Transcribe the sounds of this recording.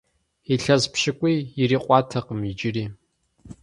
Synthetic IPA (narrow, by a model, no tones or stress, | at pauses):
iɬɐzpʃɪkʷʼijɪriːqʷʼɑːtʰɐqəmid͡ʒɪriː